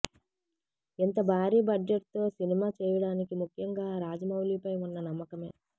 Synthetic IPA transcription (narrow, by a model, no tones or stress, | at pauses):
int̪ɐbʱaːɾiːbɐɖd͡ʒeʈ̚t̪o̞ːsinimaːt͡ʃɛːjɐɽaːnikimukʰjɐŋɡaːɾaːd͡ʒɐmɐwliːpɐjunːɐnɐmːɐkɐme̞̰ː